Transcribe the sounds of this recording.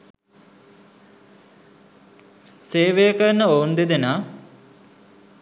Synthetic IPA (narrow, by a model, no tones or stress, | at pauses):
seːʋejəkənəound̪ed̪enaː